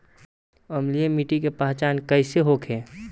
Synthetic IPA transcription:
əmliemiʈikepaːɦt͡ʃaːnkəɪseɦokʰɦẽː

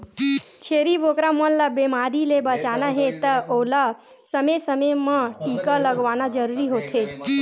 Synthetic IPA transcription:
t͡ʃʰeɾibokɾamənlabemaɾilebət͡ʃanaɦẽt̪əola | səmesəmemãʈikələɡʋanad͡ʒəɾuɾiɦot̪ʰe

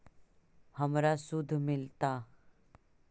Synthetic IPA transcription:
həmɾasʊd̪ʱːmɪlt̪a

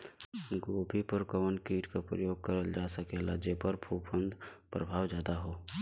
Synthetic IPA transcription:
ɡoːbʱipəɾkəʋənkiːʈkapɾə̰joːɡ̚kəɾəld͡ʒaːsəkelad͡ʒeːpəɾbʰʱuːpʰə̃nd̪ʱpɾəbʱaːwzjaːd̪aɦoː

